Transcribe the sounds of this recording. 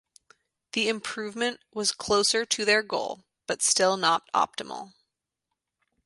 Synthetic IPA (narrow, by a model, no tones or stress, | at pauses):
ðiɨ̃mpʰɹ̥ʉvmɨ̃nʔwʌz̥kʰl̥oʊsə˞ɾɨðə˞ɡoʊlˠ | b̥ʌtstɪlˠnəɾɑ̰p̚tə̰ml̩ˠ